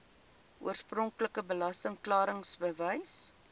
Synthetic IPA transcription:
ṵərsprɔŋkləkəbəlɐstəŋklɑːɾəŋsbəvəjs

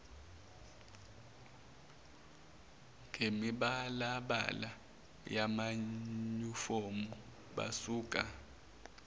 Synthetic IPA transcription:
ŋɡʱemiɓalaɓa̰la | jamaɲufomu | ɓa̰suːkʼa

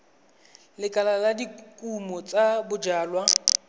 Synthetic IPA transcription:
lɪkʼalaladikʼumɔt͡sʼabʊd͡ʒaːlwa

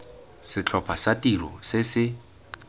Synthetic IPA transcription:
sɪt͡ɬʰɔpʰasatʼirɔ̰sɪsɪ

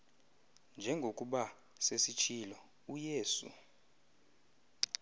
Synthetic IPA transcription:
nd͡ʒʱɛŋɡʱokʼuɓa | sesit͡ʃʰilɔ | ujeːsṵ

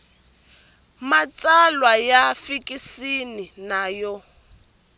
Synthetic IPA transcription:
mat͡sʼalwajafikʼisininaːjɔ

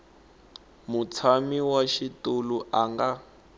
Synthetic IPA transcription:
mut͡sʰamiwaʃituluʔaŋɡa

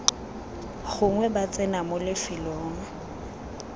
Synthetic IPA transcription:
χʊŋwɛbat͡sʼɛnamʊlɪfɪlɔːŋ̩

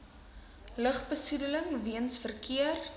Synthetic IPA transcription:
ləχbəsudələŋviənsfərkʰiər

